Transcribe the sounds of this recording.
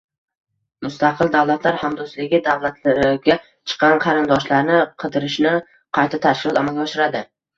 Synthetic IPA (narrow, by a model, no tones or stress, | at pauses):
mʊst̪ʰaqʰɨlˠd̪awlˠat̪ʰlaɾhamd̪ʊst̪lɪɡʲɪd̪awlˠat̪ʰlaɾɪɡʲa | t͡ʃʰɨ̥qːɑnqʰɑɾɪnd̪ɒʃlaɾnɪqʰɨd̪ɪɾɪʃnɪ | qʰɑjt̪ʰat̪ʰaʃkʲɪlˠɒt̪amalɡʲɛːʃɪɾad̪ɪ